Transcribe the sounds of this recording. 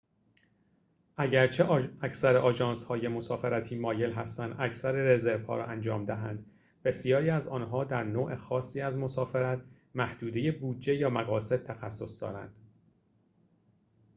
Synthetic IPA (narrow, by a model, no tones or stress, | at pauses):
ʔæɟæɾt͡ʃʰe̞æcʰsæɾeʔɒːd͡ʒɒːnshɒːjemo̞sɒːfeɾæt̪ʰiːmɒːje̞lɦæst̪ænd̪ʔæcʰsæɾeɾeze̞ɾvhɒːɾɒ̰ːʔænd͡ʒɒːmd̪æɦænd̪ | be̞sijɒːɾiːæzɒːnɦɒːd̪æɾnoːʔe̞xɒːsːiːæzmo̞sɒːfeɾæt̪̚ʰ | mæhd̪uːd̪e̞je̞buːd̪d͡ʒe̞jɒːmæɣɒːse̞d̪̥̚t̪ʰæxæsːo̞sd̪ɒ̰ːɾæ̰nd̪̥